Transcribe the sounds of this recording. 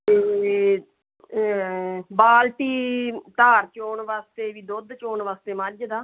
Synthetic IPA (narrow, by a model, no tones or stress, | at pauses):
t̪eː | baːlʈiːt̪aːɾt͡ʃoːɳʋaːst̪eːʋiːd̪od̪t͡ʃoːɳʋaːst̪eːmad͡ʒd̪aː